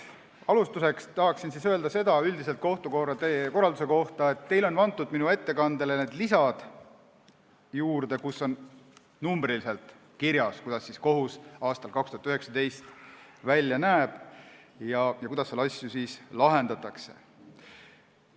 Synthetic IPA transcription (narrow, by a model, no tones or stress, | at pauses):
ɑlust̪use̞kst̪ɑɦɑksinsiːsø̞ld̪ɑse̞d̪ɑyld̪ise̞lt̪̚ko̞ht̪ukoeko̞rːɑld̪use̞ko̞ht̪ɑe̞t̪ːe̞jlo̞nvɑnt̪ːˑud̪̥minue̞t̪ːe̞kɑnd̪̥e̞lene̞ːd̪lisɑd̪̥ | juːɾd̪e̞kusːo̞n | numbɾilise̞lt̪ | kiɾjɑskujd̪̥ɑsːiːsko̞ɦusɑːst̪ɑlkɑkst̪uhɑt̪yɦeksɑd̪e̞jst̪ | vælʲjɑnæːb̥ | jɑjɑkujd̪̥ɑsːelɑsʲːjusiːslɑɦe̞nd̪̥ɑt̪ːˑɑkse̞̥̰